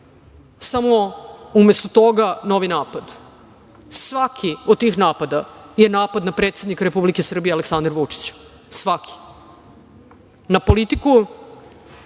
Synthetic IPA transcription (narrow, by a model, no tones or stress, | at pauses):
samoumest̪ot̪oɡano̞ʋinaːpad̪ | sʋakʰiod̪̚t̪iːxnaːpad̪ajenaːpad̪napɾeːt̪sed̪nikaɾepublikesr̩bijealeksãnd̪ɾʋut͡ʂi̥t͡ɕ | sʋakʰi̥ | napolit̪iku